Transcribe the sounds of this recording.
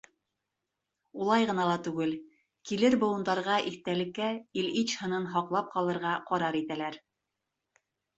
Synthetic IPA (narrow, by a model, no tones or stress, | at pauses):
ulˠɑjʁɤ̆nɑlˠɑt̪ʉɡɘl | kilɘɾbŏw̪ˠɤ̆nd̪ɑɾʁɑʔiθt̪ælɘ̆kːæilit͡ɕhɤ̆nɤnɦɑqlˠɑp̚qɑlˠɤ̆ɾʁɑqɒɾɑɾit̪ælæɾ